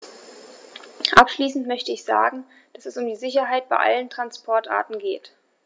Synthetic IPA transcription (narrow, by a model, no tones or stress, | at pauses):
ʔapʃliːsn̩tmœçtəɪçz̥a̰ːɡŋ̩ | d̥asɛsʊmdiːzɪçɐɦaɪt̚b̥aɪʔa̰ləntʁ̥anspʰɔɐtʁa̰ːtn̩ɡeːt